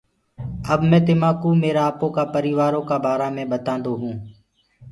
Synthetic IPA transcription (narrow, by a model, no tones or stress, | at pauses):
əbmɛ̃ːt̪ɪmaːkuːmeːɾaːpõːkaːpəɾiːʋaːɾõːkaːbaːɾaːmẽːɓət̪ãːnd̪oːɦũː